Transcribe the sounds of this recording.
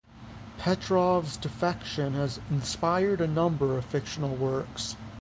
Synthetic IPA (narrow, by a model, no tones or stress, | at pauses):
pʰɛtʰɹ̥ɔvzdɨfɛkʃə̃nəzɪ̃n̩spaɪə˞ɾɨnʌ̃mbə˞ʌv̥fɪkʃənl̩ˠwɜ˞ks